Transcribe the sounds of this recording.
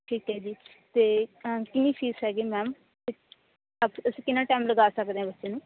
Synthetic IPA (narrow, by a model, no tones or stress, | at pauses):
ʈʰiːkɦɛːd͡ʒiː | t̪eːkɪnĩːt͡ʃiːsɦɛːɡiːmɛːm | t̪eː | apəsĩːkɪnãːʈɛːmləɡaːsəkd̪eːɦãbətːʃẽːnũː